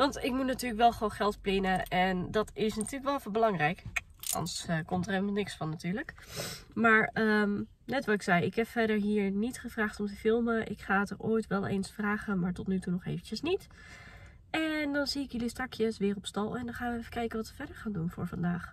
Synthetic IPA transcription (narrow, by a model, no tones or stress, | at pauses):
ʋɑntɪkmutnatyːɹləkʋɛlˠχʋownχɛlˠtplɪnəʔɛndɑtɪsnatyːɹləkʋɛlˠfʊbəlɑŋrɛjk | ʔɑ̰ndəskɔmtərɦeləmɑlˠnɪksfɑnːatyːɹlək | maːɹəm | nɛtʋɑtɪksɛjɪkɦɛpfɛdəɹɦiːɹnitχəv̥raːχtɔmtəfɪlˠməʔɪ̰kχaːətərʔoːjtʋɛlˠḛjnsfraːχəmaːɹtɔtnytunɔχejvəncəsnit | ɛndɑnz̥iɪkjəlistɑkjəsʋɪːrɔpstɑlˠɛndɔnχaːnʋəɛfə̥kɛjkənʋɑtʋəfɛdəɹχaːndunvʊ̰ːɹvɑndaːχ